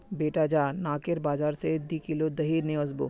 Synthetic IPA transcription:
beːʈad͡ʒaːnaːkeɾbaːd͡ʒaːɾsed̪ikilod̪ɐɦiɾnẽɐzbo̰ː

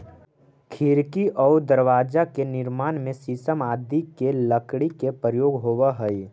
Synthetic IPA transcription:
kʰɪɾkiʔɔːd̪əɾʋaːd͡ʒakenɪɾmaːnmẽsisəmaːd̪ikeləkɽikepɾəjoːɡɦoːwaɦəi

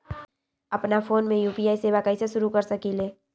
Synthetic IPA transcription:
ɐpnafʰoːnmẽjuːpijaːiseːbakaɪseʃʊɾukəɾsəkileː

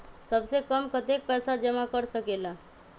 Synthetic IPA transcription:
səbsekəmkət̪ek̚pɛːsad͡ʒəmakəɾsəkela

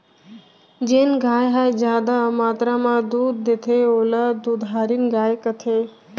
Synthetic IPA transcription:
d͡ʒeːnɡʱaːjɦajd͡ʒjaːd̪amaːt̪ɾamãd̪uːd̪̚ːet̪ʰeoːlad̪uːd̪ɦaːɾinɡaːjkət̪ʰeː

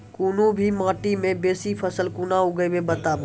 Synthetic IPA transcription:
kunubʱimãːʈimẽbeːsipʰəsəlkunauɡəjmebət̪ab

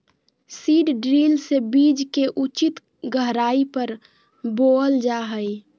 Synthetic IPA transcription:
siːɖɖɾilsebid͡ʒkeʔut͡ʃit̪ | ɡəɦɾaipəɾ | boəld͡ʒaɦəj

